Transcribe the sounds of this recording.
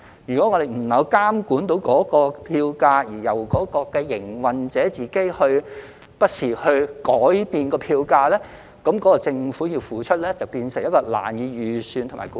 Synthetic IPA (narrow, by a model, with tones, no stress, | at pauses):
jyː˨˩kɔː˨˥ŋɔ˨˧d̪e˨jm̩˨˩nɐ˨˧wkaː˥mkuː˨˥nt̪o˨˥wkɔː˨˥kɔː˧pʰiː˧wkaː˧jiː˨˩jɐ˨˩wkɔː˨˥kɔː˧kɛː˧jɪ˨˩ŋwɐ˨nt͡sɛː˨˥t͡siː˨˩ke˥jhɵ˧ɥ | pɐ˥t̚siː˨˩hɵ˧ɥkɔː˨˥jpiː˨˧nkɔː˧pʰiː˧wkaː˧lɛː˥ | kɐ˨˧˥mkɔː˨˥kɔː˧t͡sɪ˧ŋfu˨˥ji˧wfuː˨˥t͡ʃʰɵ˥t̚lɛː˥t͡sɐ˨wpiː˧nsɪ˨˩ŋjɐ˥t̚kɔː˧la̰ː˨˩njiː˨˧jyː˨˩syː˧nt̪ʰʊ˨˩ma̰ː˨˩ku˨˦